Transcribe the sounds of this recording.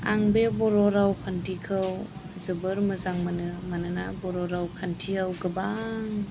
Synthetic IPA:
a̰ŋbebɔɾɔɾawkʰantʰikʰɯwzɯbɯɾmɯzaŋmanɯmanɯna̰bɔɾɔɾawkʰantʰihawɡɯbaŋ

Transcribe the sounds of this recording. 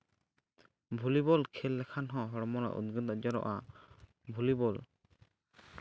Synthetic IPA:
bʱulibɔlkʰɛlːɛkʰanɦɔ̃ɦɔɾɔmɔna̰ʔṵd̪̚ɡɯt̪ad͡ʒɔɾɔ̰ʔa | bʱulibɔl

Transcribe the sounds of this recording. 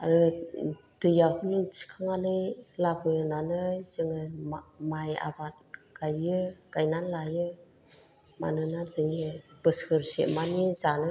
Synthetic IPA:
a̰ɾɯ | d̥ɯjakʰɯniŋsʰi̥kʰaŋanɯjlabɯjɯnanɯzɯŋɯmmaja̰bat̚ | ɡ̥ajɯɡ̥ajnanlajɯ | ma̰nɯnazɯŋɯbɯsɯɾsḛmanizanɯ

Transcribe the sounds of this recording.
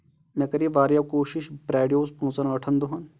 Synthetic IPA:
mɛ̃kɐɾiʋaːɾjakoːʃiʃbɾɛːɖijoːspõːt͡sɐnɐʈʰənd̪oɦɐn

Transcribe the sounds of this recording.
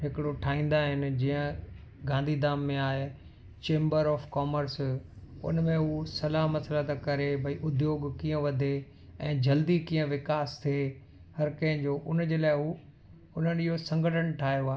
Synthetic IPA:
ɦɪkɪɽoʈʰaːĩːn̆d̪aɦɪnɪ̆d͡ʑiːə̃ | ɡãːnd̪ʱid̪aːmːẽaːɦe | t͡ɕẽːmbəɾɔːfkɔːməɾsʊ̰nmẽɦusɐlaɦmɐsəlat̪akɐɾebʱɐiʔʊd̪joːɡkiːə̃ʋɐd̪ʱe | ɛ̃ːd͡ʑɐld̪ikĩːə̃ʋɪkaːst̪ʰe | hɐɾkɐ̃ɦɪ̃d͡ʑoːʔʊnd͡ʑeːlaːɪɦuː | ʊn̤ənɪɦosɐ̃ŋɡʱəʈʰəɽ̃ʈʰaːɦijoaː

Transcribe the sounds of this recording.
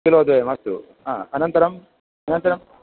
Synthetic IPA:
kiloːd̪uʋemɐst̪ṵ | a̰ːɐnɐnt̪ɐɾɐm | ɐnɐnt̪ɐɾɐm

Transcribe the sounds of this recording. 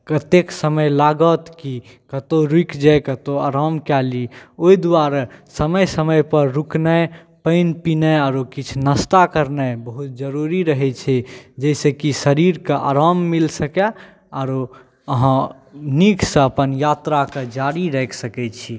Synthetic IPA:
kət̪eksəməjlaɡət̪ki | kət̪oɾikd͡ʒajkət̪oa̰ɾamkɛlioid̪uaɾsəməjsəməjpəɾːuknəj | pəɪnpinəaɾokit͡ʃʰnəst̪akəɾnəjbəɦut̪̚d͡ʒəɾuɾiɾəɦɛt͡ʃʰɛd͡ʒɛsekisəɾiɾkəʔa̰ɾamːilsəke | aɾo | əɦã | niksə̃əpənjat̪ɾaked͡ʒaɾiɾɛkʰsəkɛt͡ʃʰi

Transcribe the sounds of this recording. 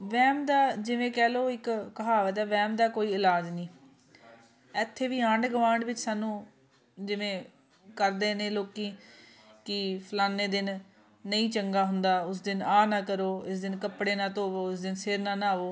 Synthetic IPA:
ʋɛːmd̪aːd͡ʒɪʋẽːkɛːloːɪkːəɦaːʋət̪ɛːʋɛːmd̪aːkoːiːɪlaːd͡ʒnĩː | ɛːt̪ʰːeːʋiːaɳɖɡʋaːɳɖʋɪt͡ʃsaːnːũː | d͡ʒɪʋẽː | kəɾd̪eːnẽːloːkiː | kɪpʰəlaːnːeːd̪ɪnː | əĩːt͡ʃəŋɡaːɦʊnd̪aːʊs̬d̪ɪnaːnãːkəɾoːɪs̬d̪ɪnkəpɽeːnãːt̪oːʋoːʊsd̪ɪnsɪɾnãːnaːʋoː

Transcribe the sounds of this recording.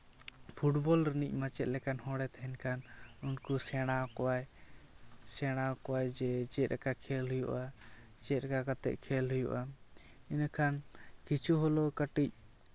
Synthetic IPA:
pʰuʈbɔlɾənic̚ˀmat͡ʃɛt̪̚lɛkanhɔ̃ɽɛt̪aɦɛnkʰanunkusɛɽ̃akɔwaj | sɛɽ̃akɔwajd͡ʒɛd͡ʒɛt̪ɾakakʰɛlɦujṵʔa | d͡ʒɛt̪̚ɾakakat̪ɛ̰ʔkʰɛlɦujṵʔa | inakʰankit͡ʃʰuɦɔlɔkəʈic̚

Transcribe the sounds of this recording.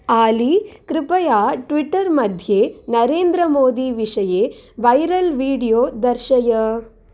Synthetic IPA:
aːlikɾɪpɐjaːʈʋɪʈːɐɾmɐd̪ʱjeːnɐɾeːnd̪ɾɐmoːd̪iʋɪʂɐjeːʋɐjɾɐlʋiːɽijoːd̪ɐɾʃɐjɐ

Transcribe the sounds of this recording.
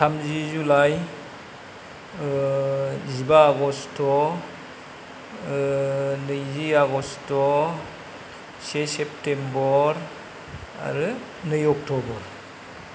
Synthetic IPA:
tʰamzizulaj | zibaːɡɔstɔ | nɯjziaɡɔstɔ | sesep̚tembɔɾ | a̰ɾɯ | nɯjɔk̚tʰɔbɔɾ

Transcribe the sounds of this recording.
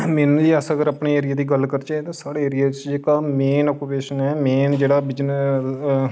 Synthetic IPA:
menliːəsəɡəɾəpɳeːeːɾɪjaːd̪iːɡəlkəɾt͡ʃet̪ãːsaːɽeːeːɾɪjaːt͡ʃd͡ʒeːkaːmeːnɔːkupeːʃənɛːmeːnd͡ʒeːɽaːbɪd͡ʒn

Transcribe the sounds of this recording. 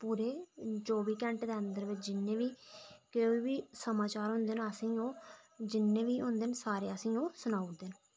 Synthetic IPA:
puːɾeːt͡ʃoːbiːkɛ̃ːɳʈd̪eːənd̪əɾʋɪt͡ʃʰd͡ʒɪnːẽːʋiːkeːiːbiːsəmaːt͡ʃaːɾɦʊ̃nd̪eːnəsĩːoːd͡ʒɪnːẽːʋiːɦʊ̃nd̪eːnsaːɾeːəsĩːoːsʊnaːud̪eːn

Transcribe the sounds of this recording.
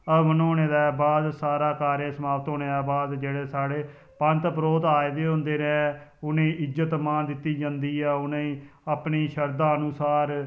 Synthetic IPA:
əʋənoːneːd̪ɛːbaːd̪saːɾaːkaːɾẽːsəmaːʋət̪ɦoːneːd̪aːbaːd̪d͡ʒeːɽeːsaːɽeː | pə̃nt̪pɾoːt̪aːed̪eːɦʊ̃nd̪eːɾɛːʊnẽːʔɪzət̪maːnd̪ɪt̪ːiːd͡ʒãːnd̪iːɛːʊnẽapniːʃəɾd̪aːənʊsaːɾ

